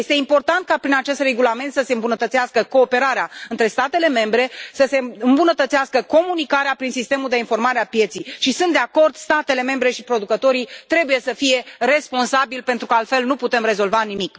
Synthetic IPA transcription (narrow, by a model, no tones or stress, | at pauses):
jest̪eimpo̞rt̪ant̪̚kapɾinat͡ʃe̞st̪re̞ɡulame̞nt̪səse̞ɨmbunət̪ət̪siaskəko̞ːpe̞ɾaɾeaɨnt̪ɾe̞st̪at̪e̞leme̞mbɾe̞səse̞ɨmbunət̪ət̪seaskəko̞munikaɾeapɾinsist̪e̞muld̪e̞info̞rmaɾeapje̞t̪sijʃisɨnt̪d̪eako̞rd̪st̪at̪e̞le̞me̞mbɾe̞ʃipɾo̞d̪ukət̪o̞ɾit̪ɾe̞buje̞səfije̞re̞spo̞nsabilpe̞nt̪ɾukəalt̪fe̞lnuput̪e̞mɾe̞zo̞lvanimik